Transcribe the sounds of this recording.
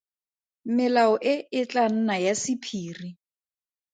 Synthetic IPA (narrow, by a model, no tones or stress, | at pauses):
mɪlaɔʔɪɪt͡ɬan̩najasɪpʰiːri